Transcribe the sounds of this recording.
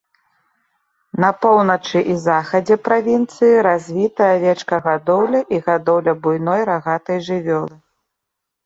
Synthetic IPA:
nɐpɔwnɐt͡ʂɨʔizaxɐd͡zʲɛpɾavʲint̪sɨjiɾazʲvʲit̪ɐjɐvʲɛt͡ʂkɐɣad̪ɔwlʲɐʔiɣad̪ɔwlʲɐbujnɔjɾaɣat̪ɐjʐɨvʲɔlˠɨ

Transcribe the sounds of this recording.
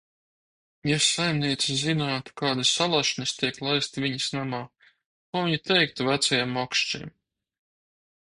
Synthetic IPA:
jasajmniɛt̪sizinaːt̪u̥kaːd̪asːalˠaʃnʲist̪iɛklˠajst̪vʲiɲisnamaː | kuːviɲit̪ʰɛjk̚t̪uvæt̪sajɛmɔkʃt͡ʃḭm

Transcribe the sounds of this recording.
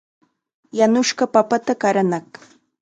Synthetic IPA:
janʊʃɢɑpapat̪akaɾanɑχ

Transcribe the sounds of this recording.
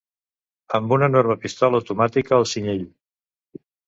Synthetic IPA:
əmbunənɔɾməpist̪ɔləəwt̪umat̪ikəːlˠsiɲeʎ

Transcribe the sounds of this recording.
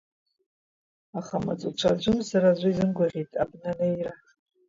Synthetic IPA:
aχama̰t͡sʼut͡ʃʷʰad͡ʒʷʊmsaɾaʒʷɪizɨnɡʷaʁʲitʼabnanajra

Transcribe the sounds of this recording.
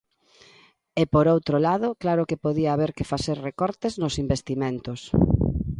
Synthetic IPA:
epoɾowt̪ɾolaðʊklaɾʊkepoðiaːβeɾkefaseɾrekɔɾt̪eznosimbest̪imẽnt̪ʊs

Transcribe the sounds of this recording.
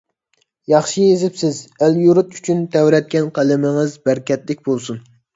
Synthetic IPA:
jɑχʃijezɪpsɪzæljuɾut̪y̥t͡ʃʰynt̪ʰɛwɾɛt̪̚kʲɛnqʰælɪmɪŋɪzbæɾkʲɛt̪lɪkʲbolˠsun

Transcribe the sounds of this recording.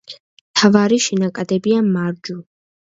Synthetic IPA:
mt̪ʰavaɾiʃinakʼad̪ɛbiamaɾd͡ʒu

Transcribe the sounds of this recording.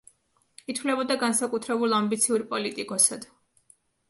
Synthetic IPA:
it̪ʰvlɛbɔd̪aɡansakʼut̪ʰɾɛbulˠambit̪sʰiuɾpʼɔlit̪ʼikʼɔsad̪̥

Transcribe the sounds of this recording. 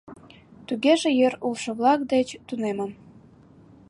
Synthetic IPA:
t̪uɣeʒejøɾulʃɤ̆βlɑk̚d̪et͡ɕt̪unemə̆m

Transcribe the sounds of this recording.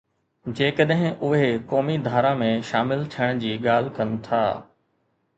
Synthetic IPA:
d͡ʑeːkəɗɦɪ̃ʊɦekɔːmid̪ʱaːɾãmẽʃaːmɪlt̪ʰijəɽ̃d͡ʑiːɠaːl̤kɐn̆t̪ʰa̰ː

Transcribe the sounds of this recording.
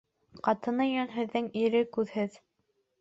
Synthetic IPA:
qɑt̪ɤ̆nɤjɒnɦɘ̆ðːɘŋiɾɘkʉðhɘð

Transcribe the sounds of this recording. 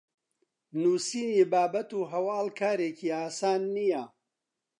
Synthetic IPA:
nuːsiːniːbaːbɐt̪uːɦɐwaːlkʰaːɾeːciːaːsaːnːijɐ

